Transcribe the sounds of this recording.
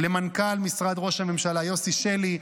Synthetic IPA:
lemankalmisʁad̪ʁo̞ʃhame̞mʃalajo̞siʃeli

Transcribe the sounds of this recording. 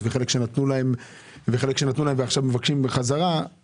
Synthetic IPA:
veχe̞lekʃe̞nat̪nulae̞m | veχe̞lekʃe̞nat̪nulaemveaχʃavmevakʃimbeχazaʁa

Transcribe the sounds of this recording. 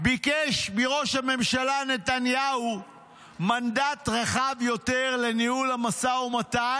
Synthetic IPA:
bikeʃmiʁo̞ʃhame̞mʃalane̞t̪anjau | mand̪atʁaχavjo̞t̪eʁle̞nihulamasaumat̪a

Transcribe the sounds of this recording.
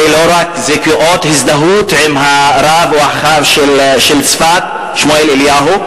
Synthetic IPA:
iloɾakzekuʔoːt̪hɪzd̪aɦuːt̪ʕɪmɦaɾˤaːvuaxaːvʃelʃelsfat̪̚ | ʃmoelɪljaːɦu

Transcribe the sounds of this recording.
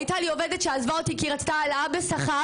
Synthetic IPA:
jt̪alio̞ved̪etʃeazvaot̪ikiʁat͡st̪aːlaabesaχa

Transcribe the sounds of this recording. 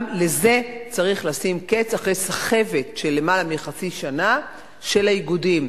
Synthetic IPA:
le̞ze̞t͡saʁiχlasimke̞t͡saχʁe̞jsaχe̞ve̞tʃe̞lːe̞malamiχat͡siʃana | ʃe̞lajiɡudim

